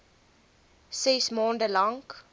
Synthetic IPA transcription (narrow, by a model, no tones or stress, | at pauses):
sɛsmoːndəlaŋk